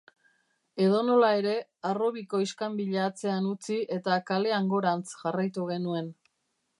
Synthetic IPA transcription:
e̞ðo̞no̞lae̞ɾe̞aro̞βiko̞iskambiʎaːt͡se̞anut͡siʔe̞t̪akale̞aŋɡo̞ɾant͡sʝarajt̪uɣ̞e̞nue̞n

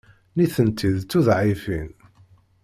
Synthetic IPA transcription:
niθənt̪ʰiðt͡sːuðʕifin

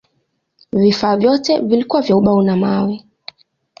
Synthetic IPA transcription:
vifaːvjɔtɛvilikuwavjauɓaunamawi

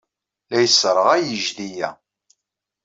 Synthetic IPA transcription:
læjəsɾˤəʁæjəʒðijæ̰

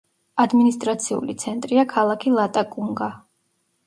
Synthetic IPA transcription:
ad̪minist̪ʼɾat̪sʰiṵlit̪sʰɛnt̪ʼɾiakʰalˠakʰilˠat̪ʼakʼuŋɡa

